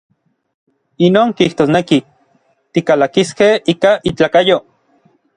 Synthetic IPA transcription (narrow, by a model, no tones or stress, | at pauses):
inoːŋkiht̪oːsneki | t̪ikalakiskehiːkaʔit͡ɬaːkajo